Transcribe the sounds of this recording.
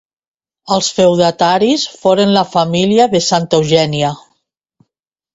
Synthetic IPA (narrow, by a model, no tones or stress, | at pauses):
əlˠsfewðat̪aɾisfoɾənlafamiliaðəsant̪əwʒɛniə